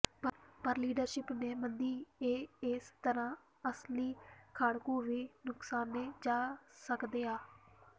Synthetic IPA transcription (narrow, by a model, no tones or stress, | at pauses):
ppəɾliːɖəɾʃɪpneːmənd̪iːeːɪst̪əɾãː | əsliːkʰaːɽkũːʋiːnʊksaːnːeːd͡ʒaːsəkd̪eːaː